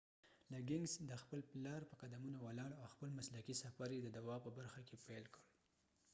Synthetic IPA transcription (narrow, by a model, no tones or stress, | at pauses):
laɡɪŋsd̪əxpəlplɑɾpəqad̪amunawalɑɽawxpəlmaslakisafaɾjed̪əd̪awɑpəbaɾxakepajlkəɽ